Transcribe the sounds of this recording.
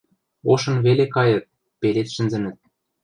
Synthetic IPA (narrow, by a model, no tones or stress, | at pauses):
oʃɤ̆nβelekɑjɤ̆t̪̚ | pelet̪ʃɘ̆nzɘ̆nɘ̆t̪̚